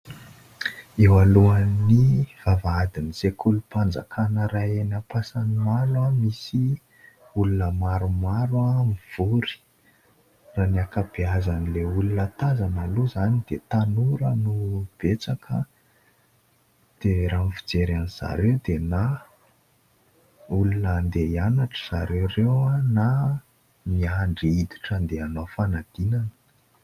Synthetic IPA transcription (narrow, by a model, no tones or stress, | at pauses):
ewaluaniv̥avaad̪iniz̥ekʰulupand͡za̰kʰanəraenapasanimaɾuamisi | ulunəmaɾumaɾuamiv̥uɾi̥ | raniakab̥eazanileulunət̪azanaluzanid̪̥et̪anuɾənub̥et͡sakʰə | d̪̥eɾamifid͡zeɾaniz̥a̰ɾewd̪ena | ulunənd̪eianaʈ͡ʂə̥z̥aɾewrewana | miaɳɖ͡ʐiid̪iʈ͡ʂənd̪eanofanad̪̥inanə̥